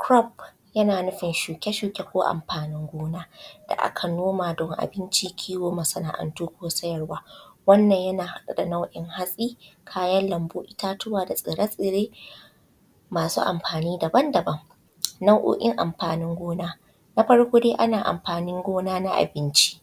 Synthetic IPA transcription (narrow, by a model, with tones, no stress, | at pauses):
kɾɔ˦p̚ | jɐ˦naː˨nʊ˦ɸɪ˨nʃuː˨kʲe˦ʃuː˨kʲe˦kʷoː˦ʔa̰˨mɸaː˨nɪ˦ŋɡʷoː˦naː˦d̥a̰˨ʔa̰˦kʰɐ˨noː˦maː˨dɔ˦˨ŋʔa̰˨bɪ˦nt͡ʃiː˦kʲʰiː˦woː˦mɐ˨sɐ˦naː˨ʔɐ̰˨ntuː˦kʷoː˦sɐ˦jɐ˨rwaː˦wɐ˦nːɐ˨ɲjɐ˦naː˨ha˨ɗa˨da˨na˦wʔɪ˦ŋha˦sʼiː˦kʰaː˦jɐ˦nlɐ˨mbuː˦ʔɪ˦taː˦tʊ˦waː˨da˨sʼɪ˨ɾa˦sʼɪ˨ɾeː˦ | maː˨sṵː˦ʔa̰˨mɸaː˨niː˦dɐ˨bɐ˦ndɐ˨bɐ˦ŋ | na˦wʔo̰ː˦ʔʲɪ˦ŋʔa̰˨mɸaː˨nɪ˦ŋɡʷoː˦naː˦ | na˦ɸɐ˦ɽkʷoː˦deː˦ʔa˦naː˨ʔa̰˨mɸaː˨nɪ˦ŋɡʷoː˦naː˦na˦ʔa̰˨bɪ˦nt͡ʃi̥˦